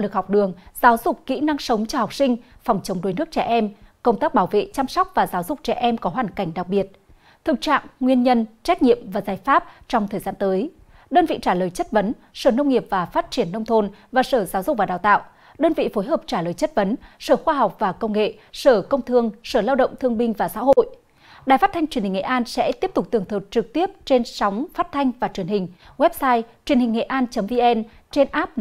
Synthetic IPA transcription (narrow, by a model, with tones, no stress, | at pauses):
lɨ˨˩k̚hɔ˨˩wk͡p̚ɗɨ˨˩əŋzaː˨˦wzʊ˨˩k͡p̚kːḭ˧˥na˧ŋsə˨˦wŋ͡mt͡ɕɔ˧ha˨˩wk͡p̚sï˧ŋ̟fɔ˨˩wŋ͡mt͡ɕə˨˦wŋ͡mɗo˨˦jnɨ˦˥ək̚t͡ɕɛ̰˧˩ʔɛ˧mkə˧wŋ͡mt̪aː˦˥k̚ɓaː˧˩wvḛ˧˨t͡ɕa˧msɔ˦˥wk͡p̚vaː˨˩zaː˨˦wzʊ˨˩k͡p̚t͡ɕɛ̰˧˩ʔɛ˧mkɔ˨˦ɦwaː˧˨˩nka˧˩jŋ̟ɗa˨˩k̚ɓi˨˩ət̚ | t̪ʰɨ˨˩k̚t͡ɕa̰ː˧˨ŋːŋwi˧ənɲə˧nt͡ɕa˦˥k̟̚ɲḭ˧˨əmvaː˨˩zaː˨˩jfaː˦˥p̚t͡ɕɔ˧wŋ͡mt̪ʰəː˨˩jzaː˧nt̪əː˨˦j | ɗəː˧nvḭ˧˨t͡ɕaː˧˩ləː˨˩jt͡ɕə˦˥t̚və˨˦n | səː˧˩nə˧wŋ͡mŋi˨˩əp̚vaː˨˩faː˦˥t̚t͡ɕi˧˩ənːə˧wŋ͡mt̪ʰo˧nvaː˨˩səː˧˩zaː˨˦wzʊ˨˩k͡p̚vaː˨˩ɗaː˨˩wt̪a̰ː˧˨w | ɗəː˧nvḭ˧˨fo˨˦jɦəː˨˩p̚t͡ɕaː˧˩ləː˨˩jt͡ɕə˦˥t̚və˨˦nsəː˧˩xwaː˧ɦa˨˩wk͡p̚vaː˨˩kə˧wŋ͡mŋḛ˧˨ | səː˧˩kə˧wŋ͡mt̪ʰɨ˧əŋsəː˧˩laː˧wɗə̰˧˨ŋ͡mt̪ʰɨ˧əŋɓï˧ŋ̟vaː˨˩sa̰ː˧˥ɦo̰˧˨j | ɗaː˨˩jfa˦˥t̪ʰa˧jŋ̟t͡ɕi˨˩ənhi˨˩ŋḛ˧˨ʔaː˧nsɛ̰˧˥t̪i˦˥əp̚t̪ʊ˨˩t̪ɨ˨˩əŋt̪ʰɨ˨˩t̚t͡ɕɨ˨˩k̚t̪i˦˥əp̚t͡ɕe˧nswŋ͡mfaː˦˥t̚t̪ʰa˧jŋ̟vaː˨˩t͡ɕwi˨˩ənhï˨˩ŋ̟wɛ˦˥p̚saː˧jt͡ɕwi˨˩ənhï˨˩ŋ̟ŋḛ˧˨ʔaː˧nt͡ɕə˨˦mvi˧ʔɛ˧nt͡ɕe˧nʔaː˦˥p̚